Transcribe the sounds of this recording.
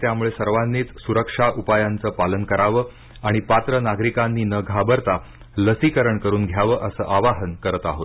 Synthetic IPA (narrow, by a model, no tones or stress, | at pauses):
t̪jamuɭesəɾʋanːiːt͡ssuɾəkʂaʔupajant͡səːpalənkəɾaʋəː | aɽ̃ipat̪ɾənaɡɾikanːiːnəɡʱabəɾt̪a | ləsikəɾəɳkəɾuːnɡʱjaʋəːʔəsə̰ːʔaʋaɦənkəɾət̪aɦot̪